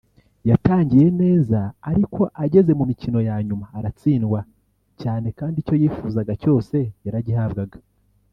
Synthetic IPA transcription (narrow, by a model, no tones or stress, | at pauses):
jataːɲɟije̞ne̞ːzaːɾikʰo̞ʔaɟe̞ze̞mumicino̞jaɲumaːɾat͡siːnɡwa | caːne̞kaːndico̞jiːfuzaɡaco̞ːse̞jaɾaɟihabɡaɡḁ